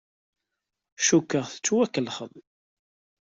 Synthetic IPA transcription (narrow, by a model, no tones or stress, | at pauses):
ʃukːəʁθə̥t͡sːwækːəlχə̰ðˤ